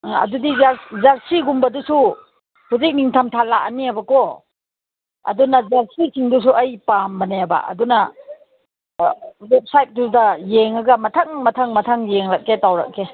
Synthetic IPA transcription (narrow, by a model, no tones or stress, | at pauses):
ɐ̰dudizɾzaɾsiɡumbɐdusu | huzik̚niŋtʰamtʰalaʔ̚aniabɐkɔ | ɐ̰dunɐzaɾsisʰiŋdus̬uɐjpambɐneaba̰ɐ̰dunɐ | wep̚sajt̚dudɐjeŋaɡɐmɐtʰaŋmɐtʰaŋmɐtʰaŋjeŋlak̚ːetawɾa̰k̚kːe